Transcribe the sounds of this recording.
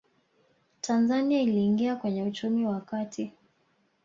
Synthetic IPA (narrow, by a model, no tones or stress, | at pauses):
tʰanzaniailiːŋɡiakwɛɲɛut͡ʃumiwakatʰi